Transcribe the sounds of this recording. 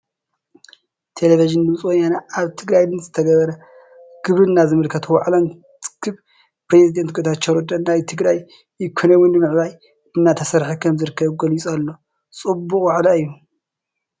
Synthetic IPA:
t̪ʰe̞leviʒɨnd̪ɨmt͡sʼwɔjanaaβt̪ʰɨɡɾajd̪ɨnzɨt̪ʰɐɡɐβɐɾɐ | ɡ̥ɨβɾɨnːazɨmɨlkʰɐt̪ʰwaʕlon | t͡sʼɨ̥kʰːɨβ | pɾezid̪ent̪̚ɡʰʼot̪ʰat̪t͡ʃɐɾod̪ɐnajt̪ʰɨɡɾaj | ɪkʷʰonɐwɨnːɨmɨʕβaj | ɨnːat̪ʰɐsɐɾħikʰɐmzɨɾɨkːɐβɡɐlit͡sʼalːo̞ | t͡sʼɨbːukʼwaʕlaɨjːu

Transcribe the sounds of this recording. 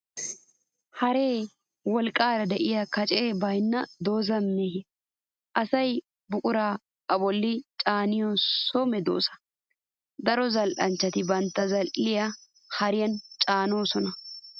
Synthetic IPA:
hɐɾe̞ː | wɔlkʼːaːɾɐd̪ɛʔɪjakɐt͡ʃʼeːbɐjnːɐd̪o̞ːzɐmːeːhɪ | ʔɐsɐj | bʊkʼʊɾaː | ʔɐbɔlːɪt͡ʃʼaːnɪjɔɔmɛd̪o̞̰ːsɐ̥ | d̪ɐɾɔzɐlʔɐnt͡ʃːɐt̪ɪbɐnt̪ːɐzɐlʔɪjɐ | hɐɾɪjɐnt͡ʃʼaːno̞ːsɔnɐ

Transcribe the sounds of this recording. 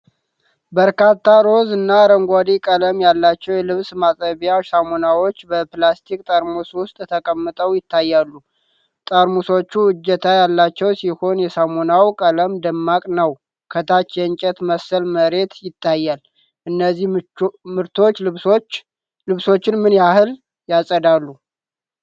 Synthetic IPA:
bəɾkat̪ʰːaɾo̞zɨnːaɾəŋɡʷad̪ikʼələmjalːat͡ʃːɛwjɛlɨβsmasʼəβijasamonawo̞t͡ʃːbəplast̪ʰikʼt̪ʼəɾmuswʊst̪ʼt̪ʰəkʼəmːɨt̪ʼəwjɪt̪ːajːalːu | t̪ʼəɾmuso̞t͡ʃːuɨd͡ʒɛt̪ʰajalːat͡ʃːɛwsiho̞njɛsamonawkʼələmd̪əmːakʼnəw | kʰət̪ʰat͡ʃːjɛɨɲt͡ʃʼɛt̪məsəlməɾe̞t̪jɪt̪ʰːajːal | ʔɨnːəzːihmɨɾt̪ʰo̞t͡ʃːɨ | lɨβso̞t͡ʃːɪnmɨnjahɨl | jasʼəd̪alːu

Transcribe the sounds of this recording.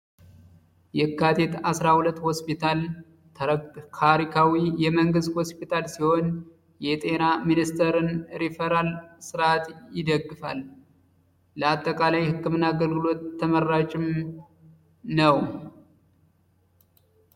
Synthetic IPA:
jɛkːat̪ʰe̞t̪asɾahulət̪ːhospit̪ʰal | kʰaɾikʰawijɛməŋɡɨst̪hospʰit̪ʰalsihon | jɛt̪ʼe̞naminist̪ʰəɾɨnɾifeɾalsɨɾat̪jɪd̪əɡːɨfa̰l | ləat̪ʼːəkʼalajhɨkʰːɨmɨnːaɡəlɡɨlo̞t̪ːəmərːat͡ʃʼɪm | nəw

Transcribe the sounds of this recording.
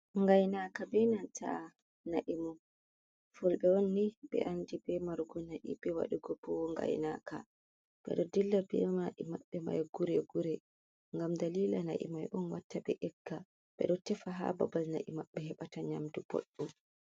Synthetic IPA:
ŋɡajnakabɛnantʰa̰ | naʔimɔ | fɔlɓɛwɔnːiɓɛ̰ʔandibɛmaɾɡɔnaʔibɛwa̰ɗuɡɔbɔwɔŋɡa̰jnaka̰ | ɓ̥ɛ̰ɗɔdilːabɛ̰maʔimaɓːɛma̰jɡuɾɛɡuɾɛ | ŋɡamdaliːlana̰ʔḭmajʔɔnwatːabɛʔɛɡːa | ɓ̥ɛ̰ɗɔtɛfaɦa̰ba̰balna̰ʔimaɓːɛhɛɓataɲamdubo̰ɗːum

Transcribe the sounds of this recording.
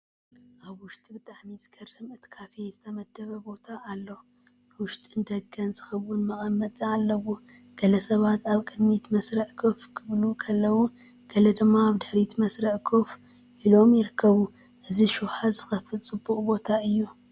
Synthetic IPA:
ʔaβwʊʃt̪ʼibɨt̪ʼaʕmizɨ̥kʰɐrːɨmɨt̪kʰafezɨt̪ʰɐmɐd̪ːɐβɐbo̞t̪ʰaʔːlːo | nwʊʃt̪ʼɨnd̪ɐɡɐnzɨxɐβːʊnmɐχʼɐmːɐt̪ʼɨalːɐwo | ɡ̥ɐlɐsɐβat̪ʰaβkʼɨd̪mit̪mɐsɾɐʕkʰofkʰɨβlukʰɐlːɐwu | ɡ̥ɐlɐd̪ɨmːaːβd̪ɨħɾit̪mɐsɾɐʕkʰof | ʔilo̞mjɪɾɨkʰːɐβu | ʔɨziʃuwħazɨxɐfɨlt͡sʼɨbːuχʼbo̞t̪ʰaɨjːu

